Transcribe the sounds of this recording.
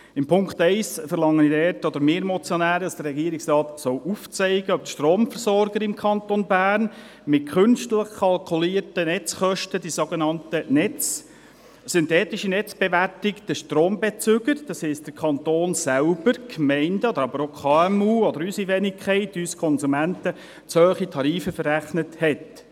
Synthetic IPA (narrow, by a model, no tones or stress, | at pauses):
ɪmpʰʊŋktɛɪsfəɾlɑŋːənidɛːtɔd̪əɾmeːɾmɔt͡sjonæːɾədɑsd̥ərːɛɡiəɾɪksrɑːtsɔwʔuft͡sɛɪɡəœbəʃtɾoːmfəɾsɔɾɡ̥əɾɪmkʰɑnt̪onbæːrn | mɪt̚kʰχʏnʃtləχkʰɑlkʰuliːɾtənɛt͡sχœʃtədisoɡenɑntənɛt͡s | sɪntɛːtɪʃinɛt͡sb̥eʋæɾtɪktəʃtɾoːmbet͡sʏɡəɾd̥ɑshɛɪst̚d̥əkʰɑntoːnsælb̥əɾkʰmɛɪndəɔd̥̪əɾɑbəɾokʰχɑːɛmuːɔd̪əɾysiʋɛnɪkʰχɛɪtyskʰɔnsumæntə | t͡shœːχitʰɑɾiːfəfəræχnəthɛt